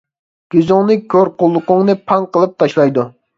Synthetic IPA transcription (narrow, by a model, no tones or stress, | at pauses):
ɡ̥ʲyzʊŋnɨkʲʰøɾqʊlˠːʊqʊŋnɨpʰɑŋqəlˠɨp̚t̪ʰɑʃlˠɑjd̪u